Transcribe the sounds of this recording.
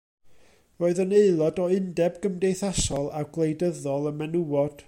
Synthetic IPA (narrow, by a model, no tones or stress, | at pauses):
roːɨðəneɨlˠɔdɔɪndɛbɡəmdejθasɔlˠawɡlˠejdəðɔlˠəmɛnuwɔd̥